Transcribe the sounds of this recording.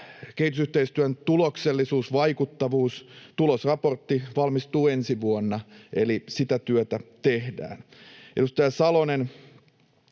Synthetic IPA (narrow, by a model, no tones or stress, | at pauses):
kehit̪usyht̪eist̪yænt̪ulokselːisuːsʋɑikut̪ːɑʋuːst̪ulosrɑpo̞rt̪ːiʋɑlmist̪uːensiʋuonːɑelisit̪æt̪yøt̪æt̪ehdæ̰ːnḛɾust̪ɑjɑsɑlonen